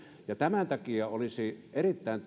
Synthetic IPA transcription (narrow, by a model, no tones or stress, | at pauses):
jɑt̪æmænt̪ækiɑolisiʔerit̪ːæˑent̪